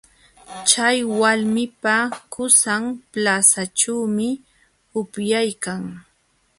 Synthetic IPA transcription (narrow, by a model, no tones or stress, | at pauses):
t͡ʃajwalmɪpakʊsaŋplasaʈ͡ʂaːmɪ | ʊpjajkaŋ